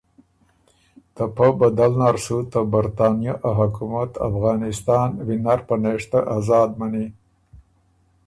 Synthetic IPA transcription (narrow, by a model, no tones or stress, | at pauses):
t̪apabad̪alnaɾsut̪əbaɾt̪ɑːnjaʔaɦakumat̪a̰fɣɑːnɪst̪ɑːnwinaɾpəneʂt̪aʔazɑːd̪̚mani